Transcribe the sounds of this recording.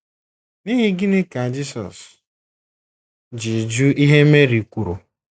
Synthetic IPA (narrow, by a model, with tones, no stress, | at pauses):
ni˦ɦi˦ɡɪ˦nɪ˦ka˨d͡ʒi˦sɔ̰˨s | d͡ʒi˨d͡ʒu˦i˦ɦe˦me˦ɾi˨kʷu˨ɾu˨